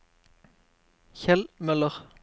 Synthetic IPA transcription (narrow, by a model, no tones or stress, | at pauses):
çɛlmœləʁ